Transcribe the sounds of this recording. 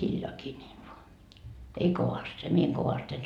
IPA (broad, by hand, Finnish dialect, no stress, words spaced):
hiljoɑkiː niː ei ʋoɑ ei koʋɑst se mie eŋ koʋɑst en